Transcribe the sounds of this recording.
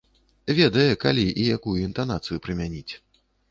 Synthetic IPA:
vʲɛd̪ɐjɛkalʲiʔijakujuint̪anat̪sɨjupɾɨmʲanʲit͡sʲ

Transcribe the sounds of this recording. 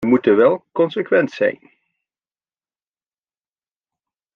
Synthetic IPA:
mutənʋɛlˠkɔnsəkʋɛntsɛ̰jn

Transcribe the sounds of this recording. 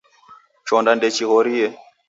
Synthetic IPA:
t͡ʃɔndandɛt͡ʃiɦɔɾiɛ

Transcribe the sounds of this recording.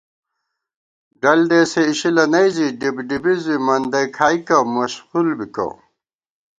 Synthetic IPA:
ɖɐld̪eːseiɕilɐnɐjziɖibɖibizimɐnd̪ɐkʰaːikɐmɐɕhulbikɐ̰

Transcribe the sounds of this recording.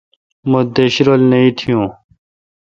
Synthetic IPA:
mod̪eɕɾolnɐĩːt̪ʰijũː

